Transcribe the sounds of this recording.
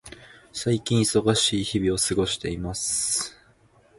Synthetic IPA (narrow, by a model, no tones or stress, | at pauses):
saikʲĩɰ̃iso̞ɡaɕiːçibʲio̞sɨɡo̞ɕi̥t̪e̞imasɨ